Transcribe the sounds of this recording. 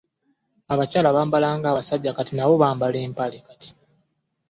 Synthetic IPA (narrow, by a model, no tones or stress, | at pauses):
aβacaːlaβaːmbalaːŋɡaːasaɟːakatinaβo̞βaːmbaleːmpalekati̥